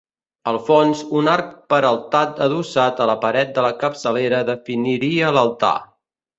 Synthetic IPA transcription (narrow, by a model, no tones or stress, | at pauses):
əlˠfɔnzunaɾk̚pəɾəlˠt̪at̪̚əðusat̪ələpəɾɛt̪̚d̪ələkəpsəleɾəðəfiniɾiələlˠt̪a̰